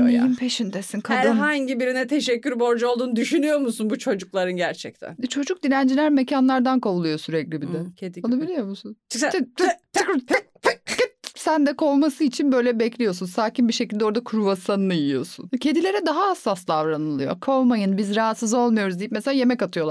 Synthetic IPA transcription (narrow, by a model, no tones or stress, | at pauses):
mojajimpʰeʃind̪esinkʰhad̪ɯɦaɲɟibiɾinɛt̪ʰeʃɛcʲːyɾbo̞ɾd͡ʒaolˠd̪uːnud̪yʃynyjo̞ɾmusunbut͡ʃʰo̞d͡ʒuklˠaɾɯnɟæɾt͡ʃʰɛc̚t̪ʰæ̰nt͡ʃʰo̞d͡ʒuk̚d̪inænd͡ʒilʲæɾmecʰanlˠaɾd̪ankʰavulˠujo̞syɾɛclʲibid̪ɛed̪onˠabilʲijo̞ɾmusunʰ | t̪ʰːk̚ | p̚kt̪sænd̪ɛkʰo̞wmasɯit͡ʃʰinbø̞jlʲɛbɛclʲijo̞sunsaːcinbiʃe̞cild̪ɛo̞ɾd̪akʰuɾuvasanɯɯjijo̞̰sṵncʰe̞d̪ilʲe̞ɾɛd̪aɦaːsːasd̪avɾanɯlˠɯjo̞̰kʰowmajɯnbizɾaɦat̪sɯzo̞lˠmujo̞ɾuzd̪ijipmeselʲaːje̞mɛcat̪ʰɯjo̞lˠa